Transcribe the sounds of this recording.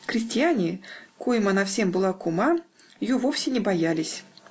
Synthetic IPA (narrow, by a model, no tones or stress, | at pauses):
kɾʲɪsʲtʲɪjanʲɪkojɪmanafsʲe̞mbɨlˠakʊma | jovofsʲɪnʲɪbɐjalʲɪsʲ